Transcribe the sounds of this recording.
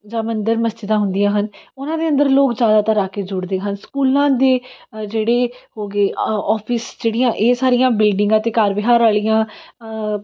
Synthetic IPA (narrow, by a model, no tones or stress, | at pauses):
d͡ʒãːmənd̪əɾməsd͡ʒɪd̪ãːɦʊnd̪ijãːɦənʊnãːd̪eːə̃nd̪əɾloːkzjaːd̪aːt̪əɾaːkeːd͡ʒʊɽd̪eːɦənskuːlãːd̪eːd͡ʒeːɽeːhoːɡeːɔːpʰɪsd͡ʒeːɽijãːʔeːsaːɾijãːbɪlɖɪ̃ŋɡat̪eːkaːɾbɪɦaːɾaːlijãː